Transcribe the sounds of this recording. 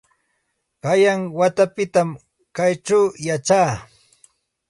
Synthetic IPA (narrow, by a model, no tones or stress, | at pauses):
kajaŋwat̪apɪt̪am | kajʈ͡ʂawjat͡ʃaː